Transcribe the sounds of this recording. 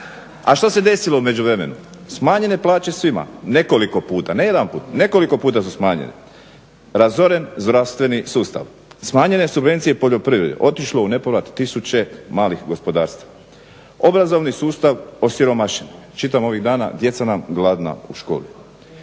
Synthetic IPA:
aʃt̪ose̞d̪e̞silo̞ume̞d͡ʑuʋɾe̞me̞̰nusmaːɲe̞ne̞plˠaːt͡ɕe̞sʋima̰ne̞ko̞liko̞puːt̪anejed̪anpuːt̪ne̞ko̞liko̞puːt̪asusmaːɲḛnḛ | ɾazo̞ɾe̞nzd̪ɾaʋst̪ʋe̞nisuːst̪a̰ʋ | smaːɲene̞subʋe̞nt̪sije̞po̞ʎo̞pɾiʋɾḛd̪ḛʔo̞t̪iʃlo̞une̞poɾat̪ːisut͡ɕe̞maːlixɡo̞spo̞d̪a̰ːɾst̪a | o̞bɾazo̞ʋnisuːst̪aʋo̞siɾo̞maʃeni | t͡ʃit̪amo̞ʋiɣd̪aːna̰d̪je̞t̪sanamɡlˠad̪na̰uʃko̞̰ːli

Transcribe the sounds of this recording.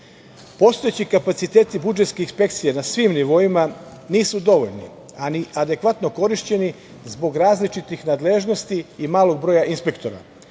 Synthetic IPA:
po̞st̪oet͡ɕikapat̪sit̪e̞ːt̪ibud͡ʒe̞t̪ske̞inspe̞kt̪sije̞nasʋiːmniʋo̞ima | niːsud̪o̞ʋo̞ʎnḭ | aniʔad̪e̞kʋat̪no̞ko̞ɾiʃt͡ɕe̞ni | zbo̞ɡɾaːzlit͡ʃit̪ixnaːd̪le̞ʒno̞st̪iːmaːlˠo̞ɡ̚bɾo̞ːjaʔinspe̞kt̪o̞ɾa̰

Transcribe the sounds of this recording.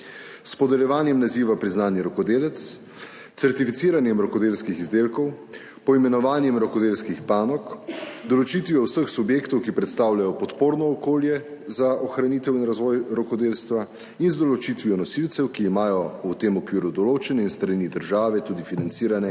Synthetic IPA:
spɔd̪ɛljɛʋaːnjɛmnaziːʋapɾiznaːnjɛɾɔkɔd̪eːlɛt̪s | t̪sɛɾt̪ifit̪siːɾanjɛmɾɔkɔd̪eːlskixizd̪eːlkɔw | pɔimɛnɔʋaːnjɛmɾɔkɔd̪elskixpaːnɔkd̪ɔlɔt͡ʃit̪ʋijɔwsəxsubjeːkt̪ɔwkipɾɛt̪st̪aːwlʲjajɔpɔt̪poːɾnɔːkoːljɛ | zaʔɔxɾaniːt̪ɛwinɾazʋɔjɾɔkɔd̪eːlst̪ʋa | inzd̪ɔlɔt͡ʃit̪ʋiɔnɔsilt̪sɛwkiːmaːjɔut̪eːmɔkʋiːɾud̪ɔloːt͡ʃɛnɛinst̪ɾanid̪əɾʒaːʋɛt̪uːd̪ifinant̪siːɾanɛ

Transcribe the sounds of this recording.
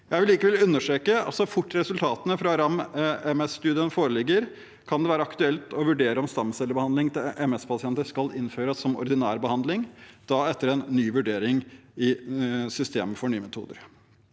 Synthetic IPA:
jæɪʋɪlːiːkəʋɛlʉnːəʂʈɾeːkəɑ̰t̪sɔfʊʈːɾɛsʉlt̪ʰɑːt̪ənəfɾɑɾɑmɛmɛsst̪ʉːd̪ɪjənfoːɾəlɪɡːəɾ | kʰɑnd̪ɛʋæːɾəɑkt̪ʉɛlt̪ɔʋʉɖeːɾəɔmst̪ɑmsɛlːəɾbəhɑnd̪lɪŋt̪ɪʔɛmɛspʰɑsɪɛnt̪əʂkɑlɪnːføːɾəsɔmɔ̰ɾd̪ɪnæːɾbəhɑnd̪lɪŋd̪̥ɑːɛt̪ːəɾɛnːyːʋʉɖeːɾɪŋɪsʏst̪ḛːməfɔɳyːəmɛt̪ʰṵːd̪əɾ

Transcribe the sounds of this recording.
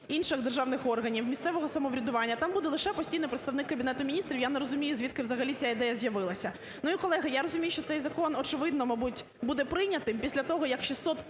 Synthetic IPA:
inʃɪɣd̪erʒɑwnɪxɔrɦɐnʲiwmʲist̪sɛʋɔɦɔsɐmɔʋɾʲɐd̪ʊʋɑnʲːɐt̪ɑmbud̪ɛlˠɪʃɛpɔsʲtʲijnɪpɾet̪t̪ɐʋnɪkːɐbʲinɛt̪ʊmʲinʲist̪ɾʲiwjanɛɾɔzʊmʲijʊzʲʋʲit̪̚kɪʋzɐɦɐlʲit͡sʲjaid̪ɛjɐzʲjɐʋɪlˠɐsʲɐ | nuikɔlˠɛɦɐjaɾɔzʊmʲijʊʃt͡ʃɔt̪sɛjzɐkɔnɔt͡ʃɪʋɪd̪nɔmɐbutʲ | bud̪ɛpɾɪjnʲɐt̪ɪmpʲisʲlʲɐt̪ɔɦɔjɐkʃisɔt̪

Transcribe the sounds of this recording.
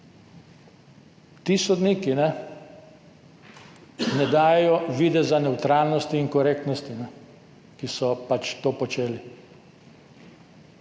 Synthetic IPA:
t̪isɔd̪niːkinɛ | nɛd̪aːjɛjɔʋiːd̪ɛzanɛwt̪ɾalnɔst̪iːŋkɔɾeːk̚t̪nɔst̪inɛ | kisɔpat͡ʃt̪oːpɔt͡ʃeːli

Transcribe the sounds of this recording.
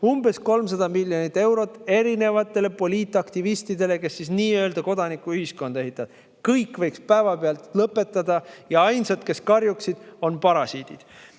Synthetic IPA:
umbe̞sko̞lms̬ɑd̪ɑmilʲːjo̞nit̪ːˑe̞wɾo̞t̪ːˑe̞ɾine̞vɑt̪ˑːe̞le̞po̞lʲiːt̪ːˑɑkt̪ivist̪id̪e̞le̞ke̞sːisniːø̞ld̪ɑko̞d̪ɑnikːˑuyhisko̞nd̪̥e̞ɦit̪ːˑɑd̪̥ | kɤjkvɤ̞jkspæevɑpeɑlt̪lɤpːˑe̞t̪ːˑɑd̪ɑjɑɑjnsɑt̪ke̞skɑrjuksid̪̥o̞npɑɾɑsiːd̪̥id̪̥

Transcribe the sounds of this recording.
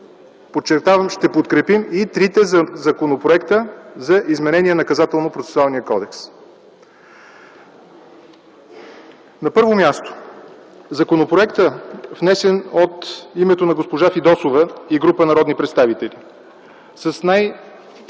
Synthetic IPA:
pot͡ʃːɛɾt̪avɐmʃt̪ɛpot̪kɾɛpimit̪ɾit̪ɛzɐkonopɾoɛkt̪əzɐʔizmɛnɛnʲiɛnɐkɐzat̪ɛlˠnopɾot̪sɛ̥sualˠnijəkɔd̪ɛks | nɐpɤɾvomʲjast̪o̥ | zɐkonopɾoɛkt̪əvnɛsɛnot̪imɛt̪onɐɡospoʒafid̪ɔsovəiɡɾupənɐɾɔd̪nipɾɛt̪st̪avit̪ɛli | sɐsnaj

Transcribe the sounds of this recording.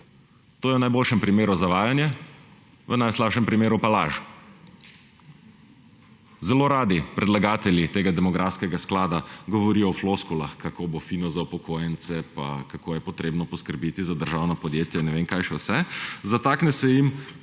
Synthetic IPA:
t̪oːjɛwnajboːlʃɛmpɾimeːɾuzaʋaːjanjɛ | ʋənajslaːpʃɛmpɾimeːɾupala̰ʒ | zɛloːɾaːd̪ipɾʔɛd̪laɡaːt̪ɛljit̪eːɡad̪ɛmɔɡɾʔafskɛɡasklaːd̪aɡɔʋɔɾiːjɔwfloskulaxkakoːbofinɔzaupɔkʰoːjɛnsɛpa̰kakoːjɛpɔt̪ɾeːbnɔpɔskəɾbiːt̪izad̪əɾʒaːwnɐpɔd̪jeːt̪jainɛʋeŋkajʃɛwsɛzat̪aːknɛsɛjim

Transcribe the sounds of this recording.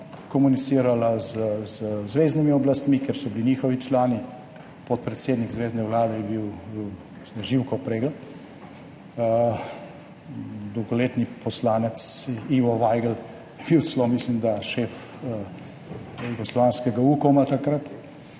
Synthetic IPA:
kɔmunit̪siːɾalazəzəzʋeːznimiɔblast̪mikeɾsɔbilinɲiːxɔʋit͡ʃlaːni | pɔt̪̚pɾɛt̪seːd̪niɡzʋeːznɛwlaːd̪ɛjɛbiwbiw | isnɛʒiwkɔpɾeːɡlɛt̪ | d̪ɔwɡɔleːt̪nipɔslaːnɛt̪siʋɔʋajɡəl | jɛb̥iw̪slɔmislimd̪aʃef | juɡɔslɔʋaːnskɛɡauːkɔmat̪akɾat̪

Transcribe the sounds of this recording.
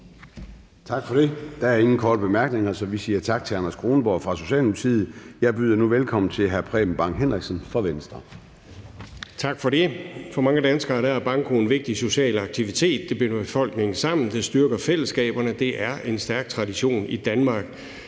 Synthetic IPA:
t͡sʰɑ̈ɡ̥fɒ̽d̥e̝d̥ææɐe̝ŋn̩kʰɒːd̥əb̥e̝mæɐɡ̥ne̝ŋɐsɒ̽ʋisiːɐt͡sʰɑ̈ɡ̥̚t͡sʰe̝ɑnɐsɡ̥ʁoːnəb̥ɒfʁɑ̈so̝ɕɛ̰ːlmult͡sʰiːð̩ˠjɑ̈ɪb̥yðˠɐnuʋelkʰɒ̽m̰n̩t͡sʰe̝lɦæɐpʰʁɛ̰̥ːm̩b̥ɑ̈ŋ̰ɦenʁiɡ̥sənfʁɒʋensd̥ʁɐ | t͡sʰɑ̈ɡ̥fɒ̽ɾe̝fɒ̽mɑ̈ŋəd̥ænsɡ̥ɐːɾ̥ææɐb̥ɑ̈ŋkʰo̝nʋe̝ɡ̥̚d̥iso̝ɕɛ̰ːlɑ̈ɡ̥̚t͡sʰiʋit͡sʰe̝̰ːd̥ːe̝b̥enɐb̥e̝fɒ̽l̰ɡ̥ne̝ŋn̩sɑ̈m̰n̩d̥esd̥yɐɡ̥ɐfel̰əsɡ̥ɛ̰ːb̥ɐnəd̥e̝ʔæɐʔe̝nsd̥æɐɡ̥̚t͡sʰʁɑ̈diɕo̝̰ːnid̥ænmɑ̈ːɡ̥

